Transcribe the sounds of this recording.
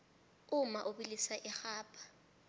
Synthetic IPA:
ʊmaʔʊɓilisaʔɪxaːpʼḁ

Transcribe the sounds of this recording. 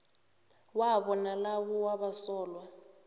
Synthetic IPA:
waβɔnalawɔwaɓasɔːlwa

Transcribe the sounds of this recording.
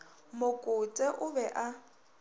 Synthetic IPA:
mʊkʼʊt͡sʼɛʔʊbɛʔa

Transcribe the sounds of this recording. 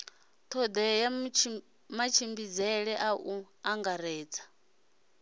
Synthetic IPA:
t̪ʰɔd̪ɛja | mat͡ʃʰimbid͡zɛɺɛʔaʔu | aŋɡaɾɛːd͡zʰḁ

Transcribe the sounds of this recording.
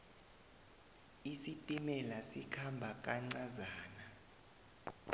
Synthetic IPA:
isitʼimɛlasikʰambʱakʼaŋ͡ǀazaːna

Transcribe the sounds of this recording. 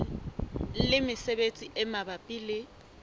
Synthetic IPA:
lɪmɪsebet͡sʼiʔɛmabapʼiːlɪ

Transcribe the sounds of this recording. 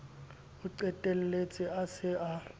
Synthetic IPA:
ʊǀɛtʼelilet͡sʼiasɪʔa

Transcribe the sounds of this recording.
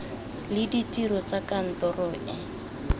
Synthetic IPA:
lɪditiɾɔt͡sakan̩tɔrɔɪ

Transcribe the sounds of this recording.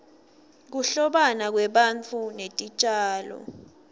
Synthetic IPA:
k̬uɬɔɓanak̬wɛɓant͡fʰunetʼit͡ʃʼaːlɔ̰

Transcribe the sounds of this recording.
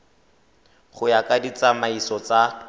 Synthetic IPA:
χʊjakʼadit͡samaisɔt͡sa

